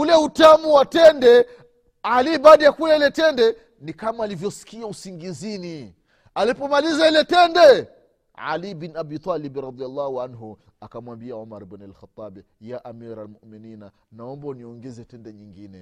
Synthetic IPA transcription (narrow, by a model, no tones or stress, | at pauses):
ulɛutamuwatɛndɛ | aliɓaɗajakulɛilɛtɛndɛ | nikamaːlivjɔsi̥kiausiŋɡizini | alipɔmalizailɛtɛndɛ | ʕa̰libinabit̪ˤalibɾɑd̪ialˤːɑhuanɦu | akamwambiaumaɾbɔnɛlxat̪ˤːabɛ | jaʔamiɾalmuminina | naɔmbaniɔŋɡɛzɛtɛndɛɲiŋɡinɛ